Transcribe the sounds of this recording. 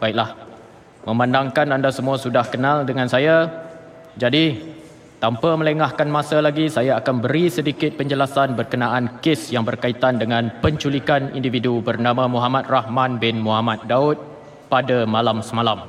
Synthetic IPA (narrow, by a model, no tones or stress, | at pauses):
b̥aik̚lah | mə̃mãndaŋkanandasəmũasudahkənãldəŋãnsaja | d͡ʒadi | t̪ampamə̃ləŋahkanmãsalaɡisajaːkanbəɾisədikɪt̪̚pəɲd͡ʒəlasanbərkənaʔankɪsjaŋbərkait̪andəŋãnpəɲt͡ʃulikanḭndividubərnamãmuɦamat̪̚rahmãnbɪnmuɦamat̪̚daʊt̪̚ | padamalamsəmalam